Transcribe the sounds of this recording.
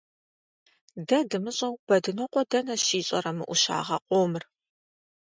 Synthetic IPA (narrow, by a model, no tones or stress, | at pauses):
dɐdɨmɨɕʼɐwb̥ɐdɨnɨqʷʼɔdɐnɐʃiːɕʼɐ̰rɐmɨʔʷuʃa̰ːʁɐqʷʼoːmɨr